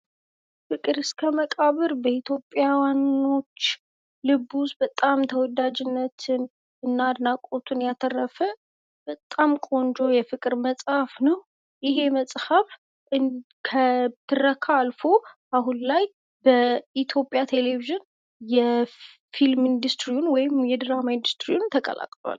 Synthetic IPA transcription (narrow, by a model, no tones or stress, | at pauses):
fɨkʼɨɾɨskʰəməkʼaβɨɾbəit̪ʰjo̞pʼjawanːo̞t͡ʃː | lɨbusbət̪ʼamt̪ʰəwɔd̪ad͡ʒɪnːət̪ʰɨn | ɨnːad̪nakʼot̪ʰunjat̪ʰərːəfə | b̥ət̪ʼamkʼo̞nd͡ʒo̞jɛfɨkʼɨɾməsʼhafnəw | jɪɦe̞məsʼhaf | ɨ | kʰət̪ʰːɨrːəkʰaːlfo̞ | aɦunlaj | bəit̪ʰjo̞pʼːjat̪ʰe̞leviʒɪn | jɛ | filmind̪ɨst̪ɾiunwɔjɪmjɛd̪ɨɾamaind̪ust̪ɾiunt̪ʰəkʼə̰la̰kʼloa̰l